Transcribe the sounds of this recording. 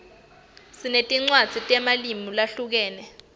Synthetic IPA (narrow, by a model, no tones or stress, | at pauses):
sinetʼiŋ͡ǀwad̥z̥ʱitʼɛmalimilaɬuk̬ɛːnɛ